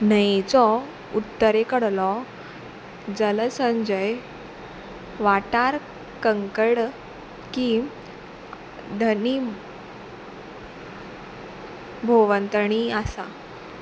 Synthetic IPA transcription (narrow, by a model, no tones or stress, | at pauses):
nəjt͡sɔ | ut̪ːəɾekəɽlɔ | d͡zələsəɲd͡ʑəj | ʋaʈaɾ | kəŋkəɽ | ki | d̪ʱəni | bʱoʋənt̪əɳ̃iasa̰